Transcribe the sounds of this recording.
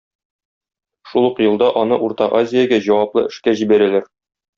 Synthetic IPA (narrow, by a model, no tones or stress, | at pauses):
ʃulˠɤqjɤ̆lˠd̪ɑʔɒnɤʔuɾt̪ɑqazʲɪjaɡæʑɒwɑplˠɤ̰ʔɘ̆ʃkæʑibæɾælæɾ